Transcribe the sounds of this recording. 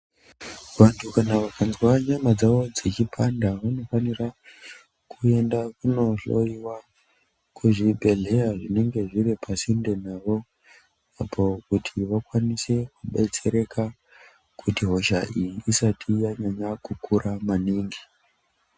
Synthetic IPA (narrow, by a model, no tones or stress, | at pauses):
ʋantʰukanaʋakanzwaɲamad͡zaʋo̞d͡zet͡ʃipʰandaʋano̞fanira | kʰue̞ndakuno̞ɬo̞iwa | kʰuʐibʱe̞ɮe̞jaʐine̞ŋɡe̞ʐiɾipʰasinde̞naʋo̞ | apʰo̞kutʰiʋakwanise̞kuɓe̞t͡se̞ɾe̞ka | kutiɦo̞ʃaʔijiʔːsatʰijaɲaɲakukuɾʔamaniːŋɡi